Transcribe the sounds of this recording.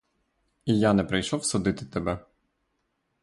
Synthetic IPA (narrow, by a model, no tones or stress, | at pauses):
ijanɛpɾɪjʃɔwsʊd̪ɪt̪ɪ̥t̪ɛbɛ